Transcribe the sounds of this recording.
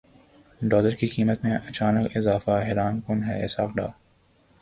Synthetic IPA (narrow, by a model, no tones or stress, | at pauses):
ɖɔːləɾkikiːmət̪mẽʔɐt͡ʃaːnəkɪzaːfaɦɛɾaːnkʊnɦɛɪsaːkɖa̰ː